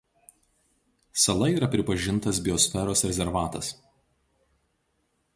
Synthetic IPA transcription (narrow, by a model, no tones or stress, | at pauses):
sɐlˠɐiːɾɐpʲɾʲɪpɐʒʲɪnt̪ɐs̬bʲɪɔsʲfʲɛɾoːsɾʲɛzʲɛɾʋɑːt̪ɐs